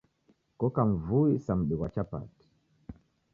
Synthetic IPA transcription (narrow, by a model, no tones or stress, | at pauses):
kɔkaɱ̩vuisam̩ɗɛwat͡ʃapa̰ti̥